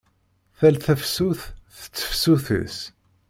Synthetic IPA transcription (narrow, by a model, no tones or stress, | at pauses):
θælθəfsuθθə̥t͡sːə̥fsuθə̰s